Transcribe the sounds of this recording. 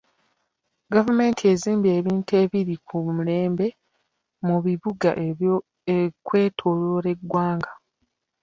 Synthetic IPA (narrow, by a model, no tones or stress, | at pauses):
ɡavume̞ːntʰie̞ziːmbie̞ːβiːntue̞ːβiɾikʰumule̞ːmbe̞ | muβiβuɡaʔ | ekwe̞ːtʰoloɾe̞ɡwaːŋɡa